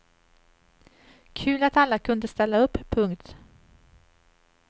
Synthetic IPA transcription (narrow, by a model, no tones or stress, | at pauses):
kʰʉ̟ːlat̪alːakʰɵnd̪əst̪ɛlːaɵpːʰɵŋkt̪